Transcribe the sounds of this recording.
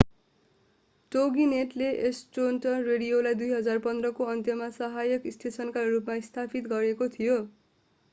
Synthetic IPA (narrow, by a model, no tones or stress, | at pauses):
ʈoɡineʈleʔesʈonʈʌnreɽijolajd̪ujɦʌd͡zarpʌnd̪rʌkoʌnt̪jʌmasʌɦajʌkist̪ʰesʌnkarupmaist̪ʰapʰit̪ɡʌɾekot̪ʰijo